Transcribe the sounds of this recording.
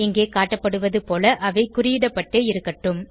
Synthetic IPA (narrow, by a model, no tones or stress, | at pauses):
ɪŋɡeːkaːʈːɐpːɐɽɯʋɐðɯpoːlɐʔɐʋɐɪkʊrɪjɪɽɐpːɐʈːeːɪɾɯkːɐʈːɯm